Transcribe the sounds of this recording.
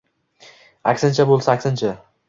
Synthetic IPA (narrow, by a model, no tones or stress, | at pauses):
akʲsɪnt͡ʃʰabolˠsaakʲsɪnt͡ʃʰa